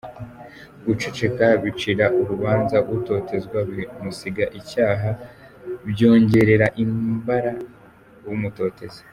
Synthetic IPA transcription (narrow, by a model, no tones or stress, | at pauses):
ɡut͡ʃet͡ʃe̞kaβit͡ʃiɾaʔuβuβaːnzawuto̞ːte̞zɡwaβimusiɡaʔicaːɦa | βjo̞ːɲɟe̞ɾe̞ɾaʔimbaɾa | wumuto̞ːte̞zḁ